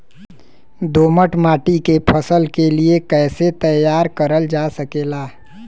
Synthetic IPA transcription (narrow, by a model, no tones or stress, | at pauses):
d̪oːməʈmaːʈikepʰəsəlkeliekɛːset̪əjaːɾkəɾəld͡ʒaːsəkeːlaː